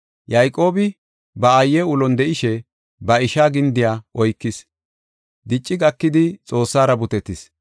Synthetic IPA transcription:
jɐjkʼo̞ːbɪ | bɐːjːɛʊlɔnd̪ɛʔɪʃɛ | bɐɪʃaːɡɪnd̪ɪjaːʔɔjkːɪs | d̪ɪt͡ʃʼːɪɡɐkːɪd̪ɪt͡sʼo̞ːsːaːɾɐbʊt̪ɛt̪ːɪs

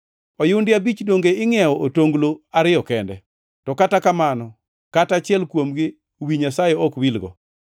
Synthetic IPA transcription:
ɔjʊwndɪabit͡ʃdoŋɡeɪŋɪɛɔʔotoŋɡloaɾɪjɔkɛndɛ | tɔkatakamanɔ | katat͡ʃɪɛlkwomɡɪ | owiɲasajɛɔkwilɡɔ̰

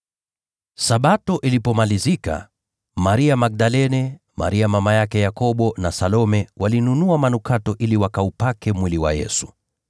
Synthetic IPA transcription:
saɓatɔʔilipɔmalizika̰ | maɾiamak̚ɗalɛnɛ | ma̰ɾiamamajakɛjakɔɓɔnasalɔmɛwalinunuamanukatɔʔiliwakaupakɛmwiliwa̰jɛ̰su̥

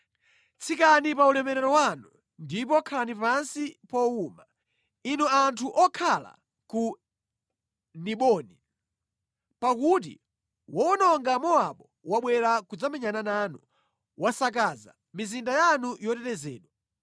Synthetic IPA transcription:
t͡sʰikanipaulɛmɛɾɛɾɔwanu | ndip̬ɔkʰaanipansipɔuːma | inuantʰuʔɔkʰala̰ | ku | niɓɔni | pak̬ut̬ḭ | wɔnɔŋɡamɔaɓɔ | waɓwɛɾakud͡zamɛɲananaːnu | wasak̬aza̰ | mizindajanujɔtɛɾɛzɛːɗwa

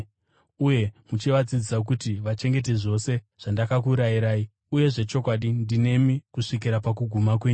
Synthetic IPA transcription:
uje̞mut͡ʃiʋat͡sid͡zisak̬utiʋat͡ʃe̞ŋɡe̞t̬e̞ʐo̞se̞ | ʐ̥andakakuɾajiɾaːi | uje̞ʐe̞t͡ʃo̞kwaɗindine̞mikuʂik̬iɾapak̬uɡʱumak̬we̞ːɲu

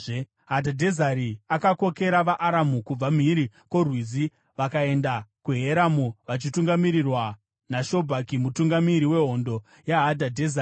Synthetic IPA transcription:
ɦadʱadʱezaɾiakako̞ke̞ɾaʋaʔːɾamukub͡vam̤iɾikwo̞rwizi | ʋakae̞ndakuɦeɾamuʋat͡ʃituŋɡamiɾirwa | naʃo̞bʱakimutuŋɡamiɾiwe̞ɦo̞ndo̞ | jaɦadʱadʱezari

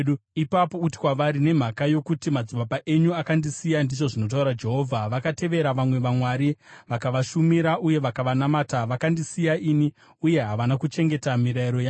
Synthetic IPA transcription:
uipapouti̥kwaʋaɾine̞m̤akajo̞kutimad͡zubapaʔe̞ɲuakandisijandiʐo̞ʐino̞t̬auɾad͡ʒe̞ɦo̞ːvʱaʋakate̞ʋe̞ɾaʋamwe̞ʋamwaɾiʋakaʋaʃumiɾauje̞ʋakaʋanamaːtaʋakandisijaiːni | uje̞ɦaʋanakut͡ʃe̞ŋɡe̞tamiɾaiɾo̞ja

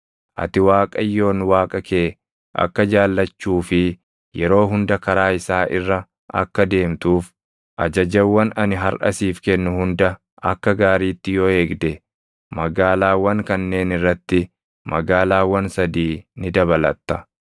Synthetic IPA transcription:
ʔɐ̰t̪ɪwaːkʼɐjːo̞ːnwaːkʼɐkeː | ʔɐ̰kːɐd͡ʒaːlːɐt͡ʃːuːfɪ | jɛɾo̞ːɦʊnd̪ɐkɐɾaːɪsaːʔɪ̰rːɐ | ʔɐ̰kːɐd̪e̞ːmt̪uːf | ʔɐ̰d͡ʒɐd͡ʒɛwːɐnɐnɪɦɐɾʔɐ̰siːfkɛnːʊhʊnd̪ɐ | ɐ̰kːɐɡaːɾiːt̪ːɪjoe̞ːɡd̪ɛ | mɐɡaːlaːwɐŋkɐnːe̞ːnɪrːɐt̪ːɪ | mɐ̰ɡaːlaːwɐnsɐd̪iːnɪd̪ɐβɐlɐ̰t̪ːɐ

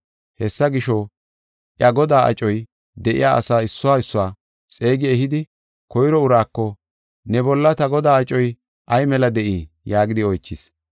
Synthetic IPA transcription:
hɛsːɐɡɪʃɔ | ʔjɐɡɔd̪aːʔɐ̰t͡ʃʼɔj | d̪ɛʔɪ̰jaːʔɐ̰saːɪsːʊwaːɪsːʊwaː | t͡sʼeːɡɪɛɦɪd̪ɪ | kɔjɾɔʊɾaːkːɔ | nɛbɔlːɐt̪ɐɡɔd̪aːɐt͡ʃʼɔj | ʔɐjmɛlɐd̪ɛʔiː | jaːɡɪd̪ɪɔjt͡ʃːɪs

